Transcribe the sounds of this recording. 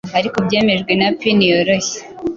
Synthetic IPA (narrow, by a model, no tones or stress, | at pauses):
aɾikobje̞ːmeʒɡwe̞napinijoɾoçi̥